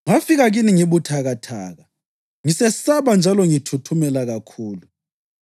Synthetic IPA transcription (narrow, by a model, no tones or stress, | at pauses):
ŋafiɣaɣiniŋiβutʰaɣatʰa̰ːɣa | ŋisɛsaβand͡ʒʱalɔŋitʰutʰumɛlaɣakʰuːlu